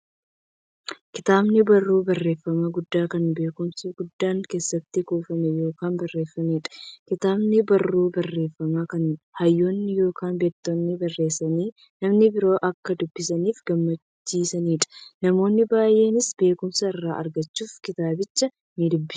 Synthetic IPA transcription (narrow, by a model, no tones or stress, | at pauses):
kɪt̪aːbnɪbɐrːuːbɐrːe̞ːfːɐmɐɡʊd̪ːaːkɐnbe̞ːkʊmsuɡʊd̪ːaːŋke̞ːsːɐt̪ːɪkuːfɐmɛjo̞ːkaːnbɐrːe̞ːfːɐmiːᶑɐ̥kɪt̪aːbnɪbɐrːuːbɐrːe̞ːfːɐmakɐnhɐjːoːnːɪjo̞ːkaːnbeːt̪ːonːɪbɐrːe̞ːsɐniː | nɐmnɪbɪɾo̞ːʔɐkːɐd̪ʊbːɪsɐniːfɡɐmːɐt͡ʃt͡ʃːiːsɐniːᶑɐ̥nɐmo̞ːnːɪbaːjʔe̞ːnɪsbe̞ːkʊmsɐɪrːaːʔɐɾɡɐt͡ʃːuːfkɪt̪aːbɪt͡ʃːɐ | nid̪ʊbːɪ̥s